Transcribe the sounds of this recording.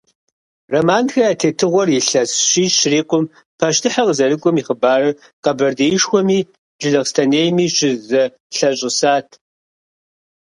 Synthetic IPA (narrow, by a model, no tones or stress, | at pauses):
rɐmaːnxɐaːtʰeːtʰɨʁʷɔriɬɐsɕiːɕriːqʷʊm | pʰaʃtʰɨħaqəzɐɾɨkʷʼɔmiːχəbaːrɨ | qɐbɐrdeːjɪʂxʷɔmiː | d͡ʒɪɮɐʁstʰɐneːjmiːɕɪzɐ | ɬɐɕʼɪsaːtʰ